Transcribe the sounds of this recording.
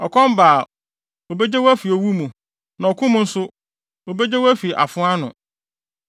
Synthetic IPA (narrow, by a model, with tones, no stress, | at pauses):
ɔ˨kʰɔ̃˦m˦baː˨ | o˨be˦d͡ʑe˦wo˦æ˦fi˨o˨wu˦mũ˨ | nã˨ɔ˨kʰʊ̃˦mʊ̃˦n̩˦sʊ˦ | o˨be˦d͡ʑe˦wæ˦fi˨ʔa̰˨fʊ̃˦a˦nʊ̰̃˨